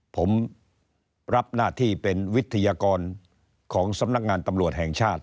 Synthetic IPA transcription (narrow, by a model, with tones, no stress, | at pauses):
pʰo˩˦m | ɾa˦˥p̚naː˥˩t̪ʰiː˥˩pe˧nwi˦˥t̪ʰːa˧jaː˧kɔː˧n | kʰɔː˩˦ŋsa˧˥mna˦˥k̚ŋaː˧nt̪a˧mɾu˨˩ət̪̚hɛ˨˩ŋt͡ɕʰaː˥˩t̪̚